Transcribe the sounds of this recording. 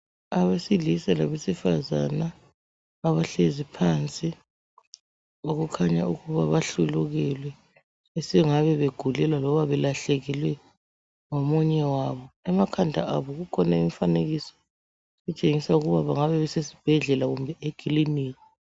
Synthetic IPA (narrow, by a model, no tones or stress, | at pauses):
aβesilisalaβesifaza̰naː | βaɬezipʰant͡sʼi | oɣukʰaɲauɣuβaβaɬuluɣɛlwɛ | esiŋaβɛβeɡ̥ʱulɛlwalɔβaβɛlaɬeɣilwɛ | ŋomuɲɛwaβɔɛmakʰandʱa̰aβɔɣukʰɔnaimfaneɣisɔ̥ | ɣut͡ʃʼeŋisauɣuβaβaŋaβɛβɛsesi̥b̥ʱɛɮɛlaɣumbʱɛekʰʼiliniːɣi